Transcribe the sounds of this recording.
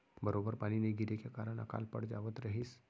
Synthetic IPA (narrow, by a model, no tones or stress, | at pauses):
bəɾoːbəɾpaːnineɡʱɪɾekekaːɾəɽ̃ɐ̰ka̰ːlpə̰ɽd͡ʒa̰ːʋət̪ɾɐɦis